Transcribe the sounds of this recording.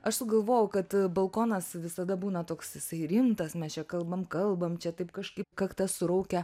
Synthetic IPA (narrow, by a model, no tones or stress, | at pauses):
ɐʃsʊɡɐlˠʋoːjʊkɐt̪bɐlˠkoːnɐsʋʲɪsɐd̪ɐbuːnɐt̪oːksɪsɐɪɾʲɪmt̪ɐsmʲɛst͡ʃʲɛkɐlˠbɐmkɐlˠbɐmt͡ʃʲɛt̪ɐɪpkɐʃkɐɪpkɐkt̪ɐssʊɾɐʊkʲɛ